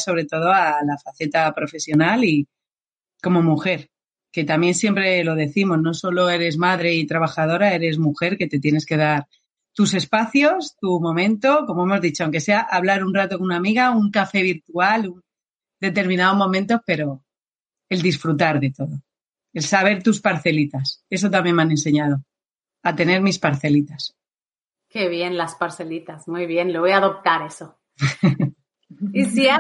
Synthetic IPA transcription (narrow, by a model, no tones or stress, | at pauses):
so̞β̞ɾe̞t̪oðo̞alafaθe̞t̪apɾo̞fe̞sjo̞nali | ko̞mo̞muxe̞ɾ | ke̞t̪amje̞nsjempɾe̞lo̞ð̞e̞θimo̞znoso̞lo̞e̞ɾe̞zmaðɾe̞it̪ɾaβ̞axað̞o̞ɾae̞ɾe̞zmuxe̞ɾke̞t̪e̞t̪je̞ne̞ske̞ð̞aɾ | t̪use̞spaθjo̞st̪umõ̞mẽ̞nt̪o̞ko̞mo̞emo̞zðit͡ʃoawŋke̞se̞aʔaβlaɾunrat̪o̞konunamiɣauŋkafe̞β̞iɾt̪ualun | d̪e̞t̪e̞ɾmĩnaðo̞zmõ̞mẽnt̪o̞spe̞ɾo̞ | eld̪isfɾut̪aɾðe̞t̪o̞ðo̞ | e̞lsaβ̞e̞ɾt̪uspaɾθe̞lit̪ase̞s̬ot̪̬amje̞nmeane̞nse̞ɲaðo̞ | at̪e̞ne̞ɾmispaɾθe̞lit̪as | ke̞βje̞nlaspaɾθe̞lit̪azmujβje̞nloβojaðop̚t̪aɾe̞so | isi